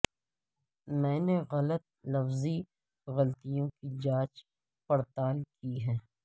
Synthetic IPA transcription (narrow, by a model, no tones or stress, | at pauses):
mɛ̃ːneɣɐlət̪̚lɐfzi | ɣɐlt̪ijõkid͡ʒaːt͡ʃ | pɐɽt̪aːlkiɦɛ̃ː